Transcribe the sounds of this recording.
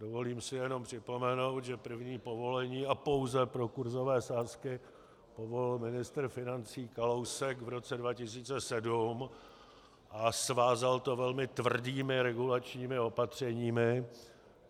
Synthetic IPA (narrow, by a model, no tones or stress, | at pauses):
dovo̞liːmsɪjɛno̞mpr̝̥ɪpo̞mɛno̞wt̪ʒɛpr̩vɲiːpo̞vo̞lɛɲiːapo̞wzɛpɾo̞kuɾzo̞vɛːsaːskɪ | po̞vo̞lɪlmɪnɪst̪ɾ̩fɪnant͡siːkalowsɛkvɾo̞t͡sɛdvacɪs̬iːt͡sɛsɛdum | ʔasvaːzalt̪o̞vɛlmɪt̪vr̩diːmɪɾɛɡulat͡ʃɲiːmɪo̞pat̪r̝̥ɛɲiːmɪ